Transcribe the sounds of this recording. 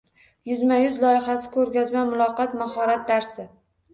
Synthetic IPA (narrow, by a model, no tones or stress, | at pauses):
jʊzmajʊzlɒjɪɦasɪ̥kʰɵɾɡʲazmamʊlˠɒqɑt̪maɦɒɾat̪̚d̪aɾsɪ